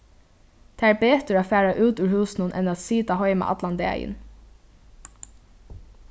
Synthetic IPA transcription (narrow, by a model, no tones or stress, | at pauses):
t̪ʰeːæːɹbeːt̪əaːfæːɹaʔʉːt̪ʉɹhʉːsnʊnʔɛ̰nat̪siːt̪aɦɔʏma̰ʔɑ̰t̪land̪ḛːjə̰n